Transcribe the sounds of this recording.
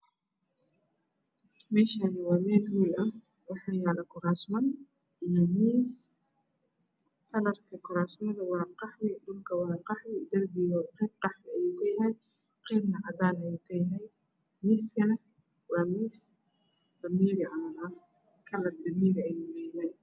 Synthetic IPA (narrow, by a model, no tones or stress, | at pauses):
mɛːʃaːnɪwɑːmɛːlhuːlɐh | wɑħɑːjaːlɐkʰʊɾaːsmɐn | ʔijɔmiːs | k̪ʰɐlɐrkʰɐkʰʊɾaːsmɐðɐwɑːqɑħwɪɖʊlkʰɐwɑːqɑħwɪd̪ɐrbɪjɔqɛːb̚qɑħmɪɐjuːkʰɐjɐɦɛj | qɛːbnɐʕɐd̪aːnɐjuːkʰɐjɐɦɛj | miːskʰɐnɐ | wɑːmiːs | d̪̥ɐmiːɾɪʔa | kʰɐlɐrd̪ɐmiːɾɪɐjuːkɐjɐɦɛj